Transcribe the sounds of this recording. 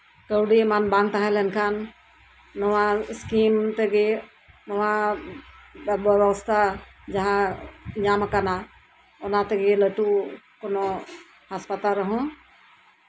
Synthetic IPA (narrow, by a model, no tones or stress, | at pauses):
kəwɖimanbãnt̪aɦɛ̃lɛnkʰanː | ɔwaskimt̪ɛɡe | nɔwa | bəwst̪ʰa | d͡ʒɐɦãɲamakana | ɔnat̪ɛɡeləʈu | kɔnɔ | haspat̪aɾəɦɔ̃